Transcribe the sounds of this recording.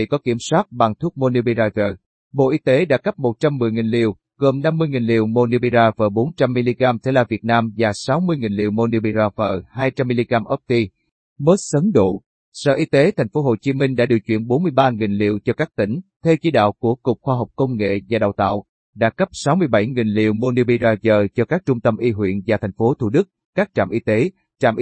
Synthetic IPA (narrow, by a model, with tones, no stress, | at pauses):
ḭ˧˨kɔ˨˦ki˧˩əmswaː˦˥t̚ɓa˨˩ŋt̪ʰu˦˥k̚mo˧ni˧ɓi˧zaː˧vəː˨˩ | ɓo̰˧˨ʔi˧t̪e˨˦ɗa̰ː˧˥kə˦˥p̚mo˨˩t̚t͡ɕa˧mːɨ˨˩əjŋi˨˩nlḭ˧˨əw | ɣə˨˩mna˧mːɨ˧əjŋi˨˩nlḭ˧˨əwmo˧ni˧ɓi˧zaː˧vəː˨˩ɓo˨˦nt͡ɕa˧mːi˧li˧ɣaː˧mt̪ʰe˧˩laː˨˩vi˨˩ət̚naː˧mvaː˨˩sa˨˦wmɨ˧əjŋi˨˩nlḭ˧˨əwmo˧ni˧ɓi˧zaː˧vəː˨˩haː˧jt͡ɕa˧mːi˧li˧ɣaː˧mʔə˦˥p̚t̪i˧ | məː˦˥t̚sə˨˦nɗo̰˧˨ | sə̰ː˧˨ʔi˧t̪e˨˦t̪ʰɛ˨˩ŋ̟fo˨˦ɦo˨˩t͡ɕi˨˦mi˧ŋ̟ɗa̰ː˧˥ɗi˨˩əw̚t͡ɕwḭ˧˨ənɓo˨˦nmɨ˧əjɓaː˧ŋi˨˩nlḭ˧˨əwt͡ɕɔ˧kaː˦˥k̚t̪ï˧˩ŋ̟t̪ʰe˧wt͡ɕi˨˦ɗa̰ː˧˨wku˧˩ək͡pkʊ˨˩k͡p̚xwaː˧ɦɔ˨˩wk͡p̚kə˧wŋ͡mŋḛ˧˨vaː˨˩ɗa̰˧˨wt̪a̰ː˧˨w | ɗa̰ː˧˥kə˦˥p̚sa˨˦wmɨ˧əjɓa˧˩jŋi˨˩nlḭ˧˨əwmo˧ni˧ɓi˧zaː˧zəː˨˩t͡ɕɔ˧kaː˦˥k̚t͡ɕʊ˧ŋ͡mt̪ə˧mʔi˧ɦwḭ˧˨ənvaː˨˩t̪ʰa˨˩jŋ̟fo˨˦t̪ʰu˧˩ɗɨ˦˥k̚ | kaː˦˥k̚t͡ɕa̰ː˧˨mʔi˧t̪e˨˦ | t͡ɕa̰ː˧˨mʔ